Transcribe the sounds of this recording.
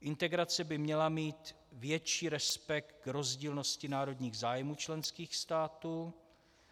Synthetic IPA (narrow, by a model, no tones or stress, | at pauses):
ʔɪnt̪ɛɡɾat͡sɛbɪmɲɛlamiːt̪ | vjɛt͡ʃiːɾɛspɛk̚t̪̚kɾo̞zɟiːlno̞scɪnaːɾo̞d̪ɲiːɣzaːjmuːt͡ʃlɛnskiːxst̪aːt̪uː